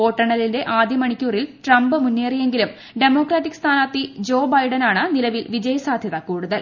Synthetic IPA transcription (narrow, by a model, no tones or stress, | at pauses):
po̞ːʈːɐɳɐlːinde̞ʔaːd̪ʱjɐmɐɳikʲːuːrilʈrɐmbɨmunːe̞ːrije̞ŋɡilum | ɖe̞mo̞ːkraːʈːikst̪ʰaːnaːt̪ːid͡ʑo̞ːbɐjɖɐnaːɳɨnilɐʋilʋid͡ʑɐjɐsaːd̪ʱjɐðɐkuːɽuðɐl